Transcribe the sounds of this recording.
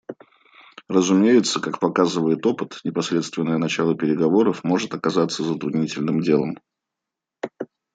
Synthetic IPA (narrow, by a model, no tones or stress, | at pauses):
rəzʊmʲejɪt̪səkakpɐkazɨvəjɪt̪o̞pɨt̪nʲɪpɐsɾʲe̞t̪st̪vʲɪnːəjənɐt͡ɕalˠəpʲɪɾʲɪɡɐvo̞ɾəfmo̞ʐɨt̪ɐkɐzat̪sːəzət̪ɾʊd̪nʲitʲɪlʲnɨmdʲe̞lˠəm